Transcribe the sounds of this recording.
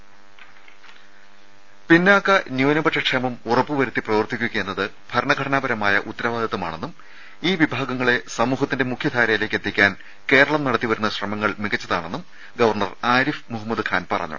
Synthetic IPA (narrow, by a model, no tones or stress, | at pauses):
pinːaːkːɐnjuːnɐbɐʈʂɐkʂemɐmurɐpːɨʋɐɾut̪ːiprɐʋɐrt̪ʰːikʲːuɣɐenːɐðɨ | b̥ʱɐɾɐɳɐɡʱɐɽʰɐnaːbɐɾɐmaːjɐʔut̪ːɐɾɐʋaːd̪ʱɐt̪ːuma̰ːɳe̞nːum | iːʋibʱaːɡɐŋːɐɭe̞sɐmuːɦɐt̪ːinde̞mukʰjɐd̪ʱaːɾɐjile̞ːkːet̪ːikʲːaːn | ke̞ːɾɐɭɐmnɐɽɐt̪ːiʋɐɾunːɐɕrɐmɐŋːɐɭmiɣɐt͡ɕːɐðaːɳe̞nːum | ɡɐʋɐrɳɐraːɾifmuɦɐmːɐd̪ɨkʰaːnpɐ̰rɐ̰ɲːṵ